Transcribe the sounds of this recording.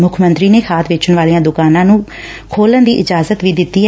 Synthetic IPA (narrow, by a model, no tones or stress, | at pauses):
mʊkʰmənt̪ɾiːneːkʰaːt̪ʰʋɪt͡ʃʊnʋaːliːãːd̪ʊkaːnãːnũː | kʰoːlənd̪iːʔɪd͡ʒaːzət̪ʋiːd̪ɪt̪ːiː